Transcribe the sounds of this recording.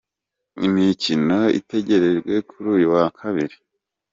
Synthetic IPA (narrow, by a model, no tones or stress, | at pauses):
ḭmicino̞ḭte̞ɟe̞ɾe̞ɾɡwe̞kʰuɾuːjuwakʰaβiɾi